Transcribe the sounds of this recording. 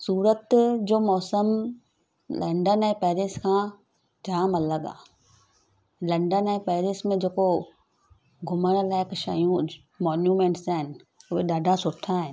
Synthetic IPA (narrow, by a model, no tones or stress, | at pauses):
suːɾət̪d͡ʑoːmɔːsəm | lɐ̃ɳɖənɛ̃ːpɛːɾiːskʰãː | d͡ʑaːmɐləɠa̰ː | lɐ̃ɳɖənɛ̃ːpɛːɾiːsmẽd͡ʑeːko | ɡʱʊməɽ̃laːɪkʃa̰ːjũ | mɔːnjuːmẽːɳʈsaːɦɪnɪ̆ʊɦeɗaːɖʱasʊʈʰːaːɦɪnɪ̆